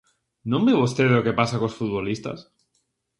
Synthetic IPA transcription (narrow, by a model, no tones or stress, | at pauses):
nomeβost̪eðeloke̞pasakosfut̪̚βolist̪a̰s